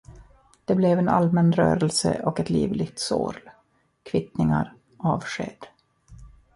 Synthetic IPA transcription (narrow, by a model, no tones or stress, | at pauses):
d̪̥ɛblɛvɛna̰lmɛnɾœ̰ːɾɛlsə̰ʔɔkɛt̪liːvlɪɡ̚t̪so̰ːɾl | kʰvɪt̪nɪŋaɾ | ʔɑːvʂeːd̪̥